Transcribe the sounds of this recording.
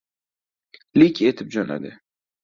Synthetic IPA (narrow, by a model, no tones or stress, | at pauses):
lɪkʲet̪ʰɪp̚d͡ʒɒna̰d̪ɪ